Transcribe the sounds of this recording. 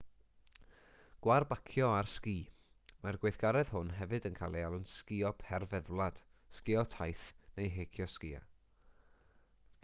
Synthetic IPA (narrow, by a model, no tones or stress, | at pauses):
ɡ̥warbakʰjɔarskiː | marɡweθɡ̥aɾɛð̥hʊnɦɛvɨdənkʰaːlˠialˠənskiɔpʰɛrvɛðlˠad̥ | skɪɔtʰajθnejɦeːkʰjɔskiːa̰